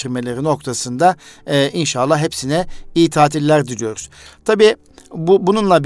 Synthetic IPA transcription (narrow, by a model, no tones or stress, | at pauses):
iɾme̞lʲe̞ɾino̞kt̪ʰasɯnd̪aʔinʃalˠːaɦepsinɛijit̪ʰaːt̪ʰilʲlʲæɾd̪uɾyjo̞ɾuz̥t̪ʰabiː | bubununlˠab